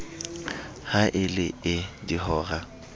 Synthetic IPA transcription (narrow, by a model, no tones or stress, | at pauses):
haʔɪlɪɪdihɔːɣa